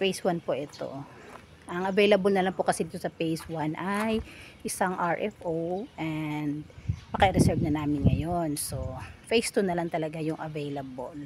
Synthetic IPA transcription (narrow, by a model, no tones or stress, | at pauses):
fejswanpoʔɛt̪o̞̰ | ʔɐŋɐvejlɐbɐlnɐlaŋpokɐsɛd̪iːt̪sɐpejswanʔajʔɪsaŋʔaɹʔɛfʔoʔɛnd̪̚pɐkɐʔɪɾɛsɛɹvnɐnaːmɪnŋɐ̰jonso̞fejst̪unɐlaŋt̪ɐlɐɡajʊŋʔɐvejlɐbol